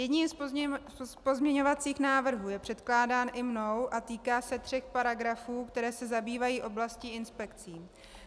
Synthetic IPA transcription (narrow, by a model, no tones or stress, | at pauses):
jɛdɲiːms | spo̞zmɲɛɲo̞vat͡siːxnaːvr̩ɦuːjɛpr̥ɛt̪klaːdaːnʔɪmno̞wʔat̪iːkaːsɛt̪r̥ɛxpaɾaɡɾafuːkt̪ɛɾɛːsɛzabiːvajiːʔo̞blasciɪnspɛkt͡siː